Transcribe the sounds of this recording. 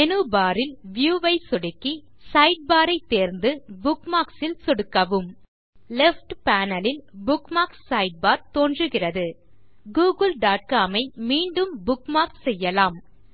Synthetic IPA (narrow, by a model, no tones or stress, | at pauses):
ɛnɯbaːɾɪlʋjuːʋɐɪsɔɽɯkːi | sɐɪɖ̚baːɾɐɪt̪ːeːɾnd̪ɯbʊkmaːksɪlsɔɽɯkːɐʋɯm | lɛfʈpaːnɐlɪlbʊkmaːksːɐɪɖ̚baːɾt̪oːndrɯɣɪrɐðɯ | ɡuːɣɯlɖaːʈ̚kaːmɐɪmiːɳɖɯmbʊkmaːkssɛjːɐlaːm